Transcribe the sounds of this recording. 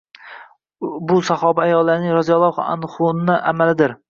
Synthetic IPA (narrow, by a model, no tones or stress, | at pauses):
bʊsahɒbaajɒlˠːaɾnɪŋɾɒzijɒlˠːɒχa̰nχʊnnaʔamalɪd̪ɪɾ